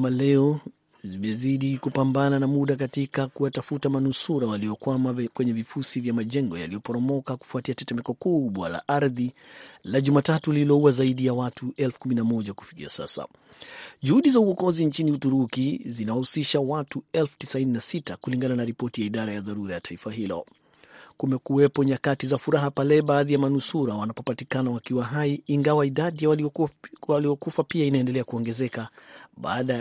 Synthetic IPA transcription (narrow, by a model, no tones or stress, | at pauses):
malɛɔ | zimɛziɗikupambananamuɗak̬atikakuwatafutamanusuɾawaliɔkwamakwɛɲɛvifusivjamaʄɛŋɡɔja̰lijɔpɔɾɔmɔkaku̥fuatiatɛtɛmɛkɔkuɓwa̰la̰ʔaɾðilaʄumatatuliilɔuwazaiɗijawatʰuʔɛlfu̥kuminamɔʄaku̥fi̥kḭa̰sa̰sa̰ | ʄuhuɗizauwɔkɔziɲt͡ʃiniutuɾukizinawahusiʃawatuɛlfu̥tisaininasitakuliŋɡananaɾipɔtijaiɗaɾajaðaɾuɾajatʰaifaɦilɔ̰ | kumɛkuwɛpɔɲakatizafuɾaɦapalɛɓaːðijamanusuɾawanapɔpatikanawakiwaɦaiːŋɡawaiɗaɗija | aliɔkufapiainaɛndɛlɛakuɔŋɡɛzɛkaɓa̰ːɗa